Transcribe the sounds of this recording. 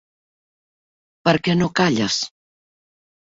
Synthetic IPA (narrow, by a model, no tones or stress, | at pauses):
pəɾkɛnokaʎas